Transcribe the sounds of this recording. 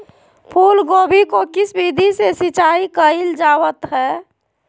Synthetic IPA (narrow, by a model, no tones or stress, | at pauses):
pʰulɡobʱikokisbid̪ʱisesit͡ʃaikəild͡ʒawət̪ɦɛː